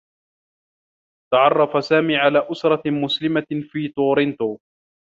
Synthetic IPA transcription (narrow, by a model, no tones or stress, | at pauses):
t̪ɑʕɑrˤːɑfasaːmiːʕalaːʔʊsɾˤɑmʊslɪmafiːt̪oːɾɪnt̪oː